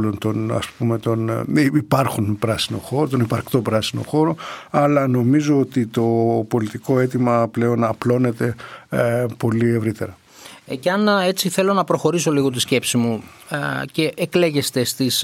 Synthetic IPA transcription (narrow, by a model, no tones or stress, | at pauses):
lo̞nt̪o̞nɐ̰spume̞t̪o̞niipɐɾxunpɾɐsino̞̰xo̞ɾot̪o̞nipɐɾkt̪o̞pɾɐsino̞̰xo̞ɾoɐlɐno̞mizo̞ot̪it̪o̞po̞lit̪iko̞e̞t̪imɐple̞o̞nɐplo̞ne̞t̪e̞ | po̞lie̞vɾit̪e̞̰ɾɐ | ceɐne̞t͡siθe̞lo̞nɐpɾo̞xo̞ɾis̬o̞liɣo̞t̪isce̞psimu | ce̞ʔːkle̞ʝe̞st̪e̞st̪is